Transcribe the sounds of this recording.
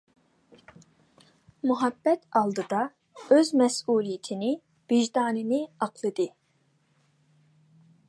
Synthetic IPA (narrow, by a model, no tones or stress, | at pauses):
muɦɑbːɛt̪ɑlˠd̪ɨd̪ɑ | øzmɛsuːlˠijit̪ʰɪnɪ | b̥iʒd̪ɑːnɨnɪɑqʰlˠɨd̪ɨ